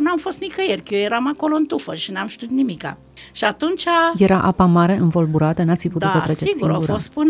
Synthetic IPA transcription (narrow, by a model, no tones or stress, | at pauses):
namfo̞st̪nikəjerkjojeɾamako̞loɨnt̪ufəʃinamʃt̪ʲiut̪nimika̰ | ʃiat̪unt͡ʃaje̞ɾaʔapamaɾe̞ʔɨnvo̞lbuɾat̪ənat̪sfiput̪ut̪sət̪ɾest͡ʃeiɡsuɾouɾost̪pɨn